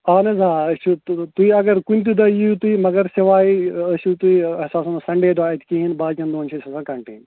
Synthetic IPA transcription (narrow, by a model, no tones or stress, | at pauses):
aːnɐzãːɐsut̪uiɐɡɐɾkunʲt̪̬ud̪ɐiut̪uimɐɡɐɾseʋaːiɐsut̪uisaːsɐnsɐɳɖeːd̪aːit̪ʰʲkiɦinbaːd̪kʲɐnd̪oːnt͡ʃʰisɐsãːkɐɳʈḛːn